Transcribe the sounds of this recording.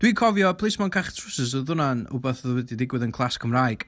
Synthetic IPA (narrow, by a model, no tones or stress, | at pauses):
d̥wikʰɔvjɔpʰlˠesmɔnkʰaχtʰrʊsəsəðʊnanʊ̰baθðəwɨdidɪɡwɨðənkʰlˠaskʰəmraːjɡ̥